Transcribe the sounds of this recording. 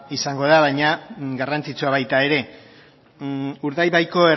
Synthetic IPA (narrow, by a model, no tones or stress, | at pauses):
isaŋɡo̞ðaβajɲaɡarant͡sit͡suaβajt̪ae̞ɾe̞ | uɾðajβajko̞er